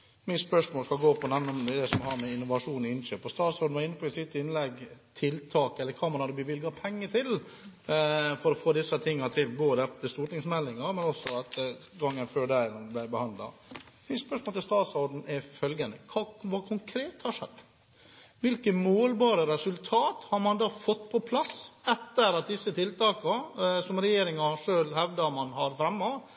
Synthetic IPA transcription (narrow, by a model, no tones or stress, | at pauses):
mɪspœʂmoːlskɑlɡoːpʰɔnɛʋnɔmd̪ɛd̪ɛsɔmhɑɾmɛɪnːʊʋɑʂuːnɔɪnʃøːpɔst̪ɑːt̪sɔɖ̪n̩ʋɑɾɪnːəpʰɔɪsɪt̪ːɪnlɛɡt̪ʰɪlt̪ʰɑːkɛlːəɾkʰɑːmɑnhɑd̪ːəbəʋɪlɡɑpʰɛŋːət̪ʰɪl | fɔɾɔfoːd̪ɪsːət̪ʰɪŋːɑt̪ʰɪlboːd̪əɛt̪ːəst̪uːʈnɪŋsmɛlːɪŋɑɾmɛnɔsːɔɑt̪ɡɑŋːənføːɖæɪnblæɪbəhɑnd̪lɑ̰ | ɪnspœʂmolt̪ɪlst̪ɑːt̪sɔɾɖn̩ɛfœlɡənəkʰɑːʋɑːkʰʊŋkʰɾeːt̪hɑʂɛ̰d̪ | ʋɪlkəmoːlbɑːɾəɾɛsʉlt̪ʰɑːt̪hɑɾmɑnd̪ɑːfɔt̪ːpʰɔpʰlɑsɛt̪ːəɾɑt̪̚d̪ɪsːət̪ʰɪlt̪ʰɑːkɑsɔmɾɛjeːɾɪŋɑʂøːlhɛʋd̪ɑmɑnhɑɾfɾɛmːɑʋ